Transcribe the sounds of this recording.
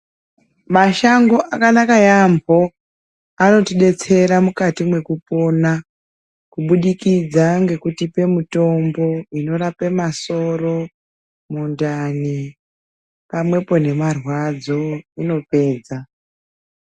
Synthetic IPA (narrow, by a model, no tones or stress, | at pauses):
maʃaŋɡo̞ʔakanakajambʱo̞ | ano̞tiɗe̞t͡se̞ɾamukatimwe̞kupo̞na | kuɓuɗikid͡zaŋɡe̞kutipe̞muto̞mbo̞ino̞rapemaso̞ro̞ | mundani | pamwe̞po̞ne̞marwad͡zo̞ino̞pe̞ːd͡za